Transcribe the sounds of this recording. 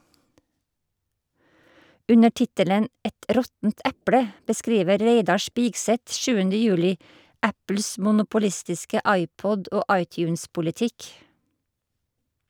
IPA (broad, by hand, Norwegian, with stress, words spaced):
ˈʉnə ˈʈɪtələn ˈɛt ˈɾɔtn̩t ˈæpɽə bəˈskɾiːʋə ˈɾæɪdɑ ˈʃpɪɡsɛt ˈʃʉːənə ˈjʉːlɪ ˈæpl̩s mʊnʊpʊˈlɪstɪskə ˈɑɪˌpɔd ˈoː ˈɑɪˌtjʉːnspʊlɪˌtɪk